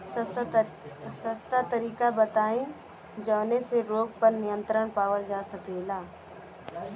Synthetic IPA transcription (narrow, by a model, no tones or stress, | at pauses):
sɐst̪at̪ɐɾiːkabɐt̪aːĩ | d͡ʒɐːneseɾoːɡpɐɾnɪjə̃nt̪ɾəɽ̃paːʋəld͡ʒaːsɐbeːlaː